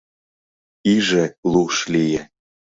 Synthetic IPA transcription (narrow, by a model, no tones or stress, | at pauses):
iʒĕlˠuʃlijĕ